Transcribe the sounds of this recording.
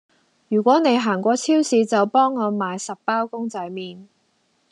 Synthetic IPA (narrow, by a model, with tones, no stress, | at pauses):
jyː˨˩kʷɔː˨˥ne˨˧jɦaː˨˩ŋkʷɔː˧t͡sʰiː˥wsiː˨˧t͡sɐ˨wpɔː˥ŋːɔː˨˧maː˨˧jsɐ˨pːaː˥wkʊ˥ŋt͡sɐ˨˥jmiː˨n